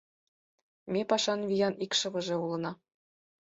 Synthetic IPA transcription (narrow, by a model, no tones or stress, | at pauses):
mʲepɑʃɑnvʲijɑnikʃɤ̆βɤ̆ʒĕulˠɤ̆nɑ